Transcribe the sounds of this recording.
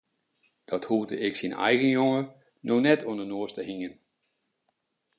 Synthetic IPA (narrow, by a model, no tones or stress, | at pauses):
d̥ɔthudə̰ʔɪksinɛ̰jɣənjoŋə | nonɛtʰuəndənoəstəhiŋən